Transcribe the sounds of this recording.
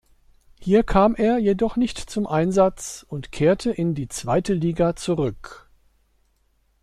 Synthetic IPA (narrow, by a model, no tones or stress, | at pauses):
hiːɐkʰaːmeːɐjedɔχnɪçtt͡sʊmʔaɪnzat͡sʊntkʰeːɐtʰəʔɪndiːt͡sv̥aɪtəliːɡat͡suʁʏk